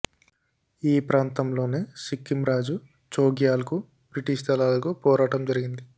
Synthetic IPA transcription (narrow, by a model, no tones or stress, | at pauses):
iːpɾaːnt̪ɐmlo̞ːneːsikːimɾaːd͡ʒu | t͡ʃoːɡjaːlɐku | bɾiʈiːʂt̪ʰɐlaːlɐkupɔːɾaːʈɐmd͡ʒɐɾiɡind̪i